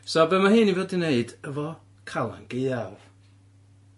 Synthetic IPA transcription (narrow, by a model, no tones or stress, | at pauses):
sɔbɛmaɦɨnivɛdɪneɨdəvɔ | kʰalˠa̰nɡejav̥